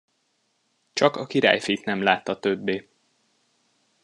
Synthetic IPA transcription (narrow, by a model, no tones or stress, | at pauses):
t͡ʃɒkɒkiɾa̰ːjfit̪nɛmlaːt̪ːɒt̪øbːeː